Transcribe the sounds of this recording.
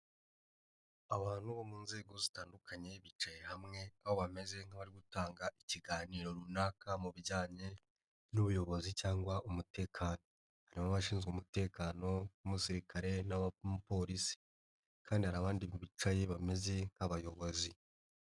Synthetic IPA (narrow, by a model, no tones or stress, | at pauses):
aβaːn̥huβo̞muːnze̞ːɡo̞zitaːndukaɲe̞βit͡ʃaje̞ɦamŋe̞aβoβame̞ze̞ŋ̥haβaɾiɡutaːŋɡaʔiciɡaːniːɾo̞ɾunakamuβiɾɟaːɲe̞ | nuβujo̞βo̞zicaːŋɡwaʔumute̞ːkʰaːno̞ | haɾimaβaʃiːnzɡumute̞ːkaːno̞umusiɾikʰaɾe̞naβpo̞ɾisi̥ | kʰaːndihaɾaβaːndiβit͡ʃaje̞βame̞ze̞ŋ̥haβajo̞βo̞zi